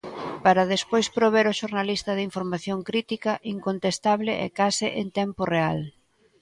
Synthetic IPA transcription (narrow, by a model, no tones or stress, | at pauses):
paɾɐðespojspɾoβ̞eɾoʃoɾnalist̪ɐðɪiɱfoɾmaθjoŋkɾit̪ikɐʔiŋkont̪est̪aβlɪʔɛ̰kasɪʔent̪ɛmporeal